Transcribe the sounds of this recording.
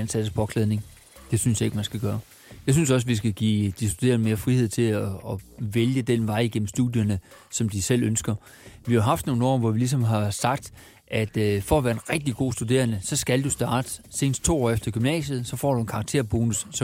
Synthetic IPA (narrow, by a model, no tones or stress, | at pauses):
ænsæd̥əspʰɒ̽kʰlɛð̞ˠne̝ŋ | d̥e̝synsjɑ̈e̝ɡ̥mænsɡ̥æɡ̥ɶːɐ | jɑ̈ɪsynsɒ̽s̬ʋis̬ɡ̥æɡ̥ḭːd̥isd̥ud̥e̝̰ːɐnəme̝ːɐfʁihe̝ð̞̰ˠt͡sʰe̝lɒːʋeljəd̥enʋɑ̈ɪ̰iɡ̥en̰m̩sd̥uðˠjɐnəsɒ̽md̥isel̰ønsɡ̥ɐ | ʋihɑ̈ɦɑ̈fd̥no̝ːn̩ɒ̰ːʋɒʋilis̬ɒ̽mɦɑ̈sɑ̈ɡ̥̚d̥ | ʔæd̥fɒ̽ɒʋæːɐe̝nʁɛɡ̥̚d̥iɡ̥o̝̰ːsd̥ud̥e̝̰ːɐnəsɒ̽sɡ̥æld̥usd̥ɑ̈ːd̥əse̝ːnəsd̥t͡sʰo̝̰ːɒ̰ːefd̥ɐɡ̥ymnɛ̰ːsð̩ˠsɒ̽fɒ̰ːɾ̥uenkʰɑ̈ɡ̥̚t͡sʰe̝̰ɐ̰b̥oːnus